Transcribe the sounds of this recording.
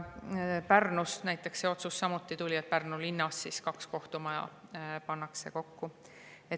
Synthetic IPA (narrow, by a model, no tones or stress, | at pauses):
pærnusnæjt̪ːˑe̞kse̞o̞t̪susːɑmut̪ːˑit̪ulʲiet̪̚pærnulinːɑsːiskɑksko̞ht̪umɑjɑ̰pɑnːɑkse̞ko̞kːu | e